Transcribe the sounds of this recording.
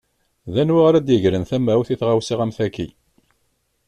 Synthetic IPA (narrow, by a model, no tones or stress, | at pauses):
ðænwaʁaɾæd̪jəʝɾənθæmæwθiθʁawsiʁæmθækːḭ